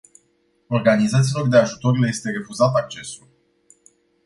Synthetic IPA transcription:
o̞rɡanizat̪sʲilo̞rd̪e̞aʒut̪o̞ɾile̞je̞st̪e̞ɾe̞fuzat̪ak̚t͡ʃe̞sul

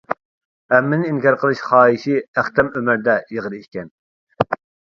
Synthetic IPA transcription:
ɛmːɪnɪiŋkʲʰɑɾqʰəlˠɨʃχɑːiʃiæχt̪ɛmømæɾd̪ɛjəʁəɾiʃkʲʰɛn

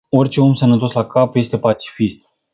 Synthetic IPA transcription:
o̞rʲt͡ʃe̞o̞msənət̪o̞slakapje̞st̪e̞pat͡ʃi̥fist̪̚

